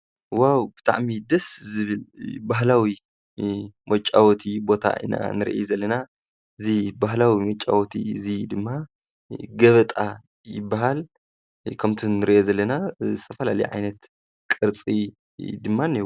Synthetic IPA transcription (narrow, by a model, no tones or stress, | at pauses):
wawbɨt̪ʰa̰ʕmid̪ɐszɨβɨlbaɦlawi | mɐt͡ʃʼa̰wɔt̪ʰibo̞t̪ʰa̰ɨ̰na̰nɨɾḭʔḛzɐlːɐna | ɨzibaɦlawimɐt͡ʃʼːa̰wɔt̪ʰḭɨzid̪ɨmːa | ɡɐβɐt̪ʼa | jɪ̰bːaɦal | kʰɐmt̪ʰinɨɾiʔezɐlːɐnazɨt̪ʰɐfɐlalɐ̰jʕa̰jnɐt̪ | kʼɨɾt͡sʼi | d̪ɨmːanːi